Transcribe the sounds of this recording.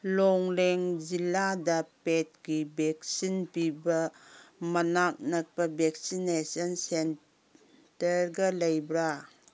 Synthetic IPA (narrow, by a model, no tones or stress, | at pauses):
lɔŋleŋd͡ʒiladɐpet̚ɡibek̚sinpibɐmɐnak̚nɐk̚pɐbek̚sinesɐnsen | tɐɾɡɐlɐjbɾa